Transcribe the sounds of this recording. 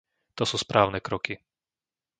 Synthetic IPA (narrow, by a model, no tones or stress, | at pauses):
t̪ɔsuːspɾʔaːʊnɛkɾɔki